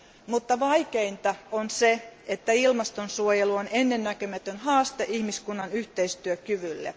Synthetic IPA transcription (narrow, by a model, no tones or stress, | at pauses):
mut̪ːɑʋɑikeint̪ɑonseet̪ːæilmɑst̪onsuojeluonenːenːækømæt̪ønhɑːst̪eʔihmiskunːɑnyht̪eist̪yøkyʋylːḛ